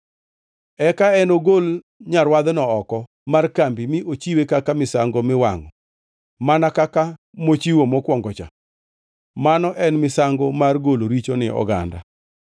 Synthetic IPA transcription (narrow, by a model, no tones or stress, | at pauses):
ɛkaɛnoɡol | ɲaɾwad̪nɔɔkɔ | markambimɪʔot͡ʃiwekakamɪsaŋɡomɪwa̰ŋɔ̰ | manakaka | mot͡ʃiwomɔkwɔŋɡɔt͡ʃa̰ | manɔʔɛnmɪsaŋɡɔmarɡoloɾit͡ʃonɪʔɔ̰ɡa̰nda̰